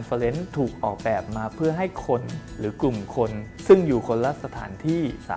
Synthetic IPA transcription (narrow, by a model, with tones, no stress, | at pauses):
nfa˧le˦˥nt̪ʰuː˨˩k̚ʔɔː˨˩k̚bɛː˨˩p̚maː˧pʰɯ˥˩ɐɦa˥˩jkʰo˧nɾɯː˩˦klu˨˩mkʰo˧nsɯ˥˩ŋjuː˨˩kʰo˧nlaː˦˥˩sa˧t̪ʰa̰ː˩˦nt̪ʰiː˥˩sa̰ː˨˦